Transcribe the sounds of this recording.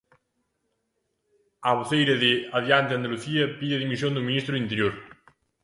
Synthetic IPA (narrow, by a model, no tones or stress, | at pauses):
aβoθejɾɐðeaðjant̪eɐnd̪aluθiɐpiðeɐðimisjõnd̪umĩnist̪ɾuðint̪eɾjoɾ